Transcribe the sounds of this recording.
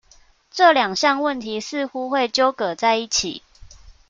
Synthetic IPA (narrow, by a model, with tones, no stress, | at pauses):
ʈ͡ʂɤ˥˨ljɑ˨˩ŋɕjɑ˥˧ŋwə˥˨nt̪ʰi˨˦sɹ̩˥˨xu˦xwe˥˨ɪt͡ɕjo˦ʊkə˨˩t͡sa˥˧ɪi˥˩t͡ɕʰḭ˨˩˦